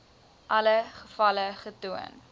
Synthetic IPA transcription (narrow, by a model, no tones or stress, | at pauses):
ʔɐləχəfɐləχətuə̰n